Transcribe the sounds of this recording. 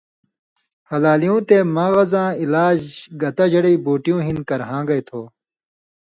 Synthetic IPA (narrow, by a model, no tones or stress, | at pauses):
hɐlaːlijõːt̪emãːɣɐzãːilaːd͡ʑɡɐt̪ɐʑɐɽiiboːʈijõːɦinkɐɾɦãːɡɐjt̪ʰoː